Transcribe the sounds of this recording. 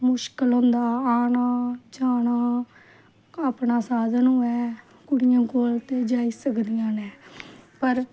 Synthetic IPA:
mʊʃkəlɦõːnd̪aːaːnaːd͡ʒaːnãː | aːpnaːsaːd̪nũːɛː | kʊɽɪjãːkoːlt̪eːd͡ʒaːiːsəkd̪ɪjãːnɛːpəɾ

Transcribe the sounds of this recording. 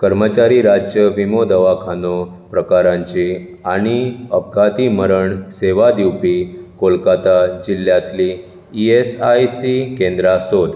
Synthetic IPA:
kəɾmət͡ɕaɾiɾad͡ʑjəʋimod̪əʋakʰano | pɾəkaɾãɲt͡ɕi | aɽ̃iəb̚ɡʱat̪iməɾəɳseʋad̪iwpikolkat̪ad͡ʑil̤jãt̪liː | esajsikẽnd̪ɾasod̪

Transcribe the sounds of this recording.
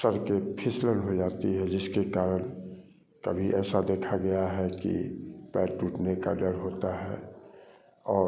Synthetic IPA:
səɾkepʰɪsləlɦod͡ʒaːt̪iɦɛd͡ʒɪskekaːɾəñ | kɐ̰bʱiʔɛːsad̪eːkʰaɡɐjaɦɛkḭpɛːʈːuːʈneka̰ɖəɽɦoːt̪aɦɛ̰ː | ɔː

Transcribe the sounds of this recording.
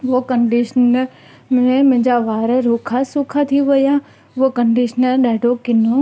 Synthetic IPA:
ʋokəɳɖiʃn | mẽmɪ̃d͡ʒaʋaːɾəɾukʰasʊkʰat̪ʰiʋəja | ʋokəɳɖiʃnəlɗɛːɖokɪno

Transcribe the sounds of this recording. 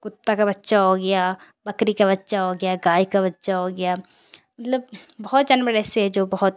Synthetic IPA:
kʊt̪ːakabɐtːʃaɦoɡɐjaː | bɐkɾikabɐtːʃaɦoɡɐjaɡaːikabɐtːʃaɦoːɡɐjaː | mɐt̪ləb̚bɐɦɔt̪̚d͡ʒɐnbəɾɛːseɦɛd͡ʒoːbɐɦɔt̪̚

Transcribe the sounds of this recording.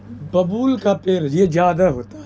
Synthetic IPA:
bɐbuːlkapeɾjed͡ʒjaːd̪aɦoːt̪a

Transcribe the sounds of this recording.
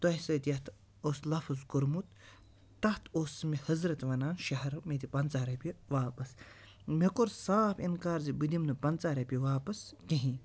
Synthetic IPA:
t̪uɐisɐt̪ijɐt̪ʰ | oːslɐfɐzkuɾmut̪ː | ɐt̪ʰosmihɐzɾɐt̪ʋɐnaːnʃɐɦɐɾmed̪ipɐnt͡saːɾɐpʲiʋaːpɐs | mekoɾsaːpʰinkaːɾzibɨd̪imnɨpɐnt͡saːɾɐpʲiʋaːpɐsk̪iɦĩ

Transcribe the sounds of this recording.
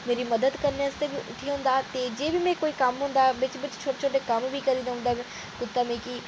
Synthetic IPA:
meːɾimɐd̪əd̪kəɾnest̪ebiʔʊ̰ʈʰːiɦʊ̃ːnd̪aːt̪eːd͡ʒeːbimɛ̃ːkoːikɐmɦʊ̃ːnd̪aːbɪt͡ʃbɪt͡ʃt͡ʃʰoːʈet͡ʃʰoːʈekɐmbʱikəɾĩd̪aɦʊ̃nd̪aːb | kʊt̪ːaːmẽːki

